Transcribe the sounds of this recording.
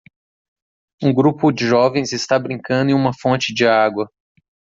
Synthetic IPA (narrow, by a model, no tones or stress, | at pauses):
ũɡɾupʊd͡ʒɪʒɔvẽj̃zɪst̪abɾĩŋkɐ̃nd̪ʊẽũmɐfõnt͡ʃɪd͡ʒɪaɡwɐ